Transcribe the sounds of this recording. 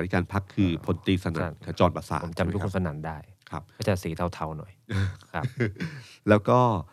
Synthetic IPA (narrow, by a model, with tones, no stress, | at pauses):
i˦˥kaː˧npʰa˦˥kʰːɯː˧pʰo˨˩˦nt̪iː˧sa˧na̰˧˩˦a˧˩t͡ɕɔː˧npa˧sa̰ː˨˦o˩˦mt͡ɕa˧m˧u˥kkʰːsa˧naː˩˦ndaː˥˩jkʰa˦˥p̚ːt͡ɕaː˨˩siː˩˦t̪ʰa˧wt̪ʰa˧wnɔ˨˩˦jkʰa˦˥ | lɛː˦˥wkɔː˥˩